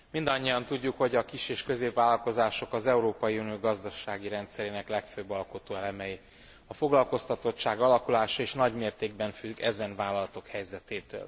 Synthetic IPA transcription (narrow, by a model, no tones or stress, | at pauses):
mind̪ɒɲːijɒnt̪uɟːukho̞ɟɒkiʃeːʃkø̞zeːpvaːlːɒlko̞zaːʃo̞kɒzɛuɾoːpɒjiunioːɡɒzd̪ɒʃaːɡiɾɛnt̪sɛɾeːnɛklɛkføːbːɒlko̞t̪oːɛlɛmɛji | ɒfo̞ɡlɒlko̞st̪ɒt̪o̞t͡ʃt͡ʃːaːɡɒlɒkulaːʃɒeːʃnɒɟmeːrt̪eːɡbɛɱfyɡɛzɛnvaːlɒlɒt̪o̞khɛjzɛt̪eːt̪ø̰ːl